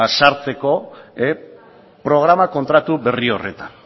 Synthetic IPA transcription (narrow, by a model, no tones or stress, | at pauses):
asaɾt͡se̞ko̞e | pɾo̞ɣ̞ɾamako̞nt̪ɾat̪ube̞rio̞re̞t̪an